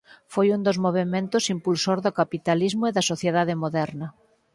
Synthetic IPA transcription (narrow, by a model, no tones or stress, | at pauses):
fojund̪ozmoβ̞emẽnt̪ʊsimpulsoɾðokapit̪alizmʊeðɐsoθjeðaðemoðɛɾnɐ